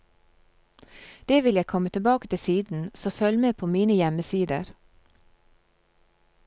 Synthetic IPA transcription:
d̪̥eːʋɪljæɪkʰɔmət̪ʰəbɑːkət̪ʰɪsiːd̪n̩soːfœlmeːpʰoːmiːnəjɛməsiːd̪əɾ

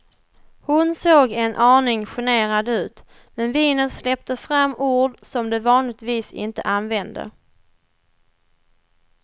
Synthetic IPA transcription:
hʊnsoːɡɛnʔɑːɳɪŋɧɪneːɾad̪ʉ̟ːt̪ | mɛnviːnənslɛp̚t̪əfɾamːuːɖsɔmd̪ɛvɑːnlɪɡt̪viːsɪ̰nt̪ə̰ʔanvɛnd̪ə̰

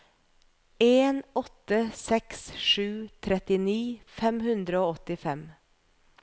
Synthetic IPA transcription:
eːnɔt̪əsɛksʃʉːt̪ʰɾɛt̪ɪniːfɛmhʉnd̪ɾəoːɔt̪ɪfɛm

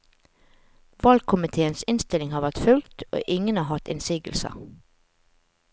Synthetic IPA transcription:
ʋɑlkʰʊmɪt̪ʰeːənsɪnst̪ɪlɪŋhɑːʋæʁt̪fʉlkt̪ʰo̰ːʔɪŋənɑːɦɑt̪ɪ̰nsiːɡə̰lsə̰

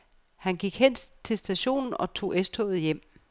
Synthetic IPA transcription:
hænɡ̥iɡ̥hen̰t͡sʰe̝lsd̥æɕo̝̰ːnn̩ɒ̽t͡sʰo̝̰ːʔesd̥hɔ̰ʊð̞̩ˠjem̰

